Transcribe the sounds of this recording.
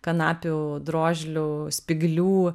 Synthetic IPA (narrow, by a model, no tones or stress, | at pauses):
kɐnɑːpʲʊd̪ɾoːʒʲlʲʊsʲpʲɪɡlʲuː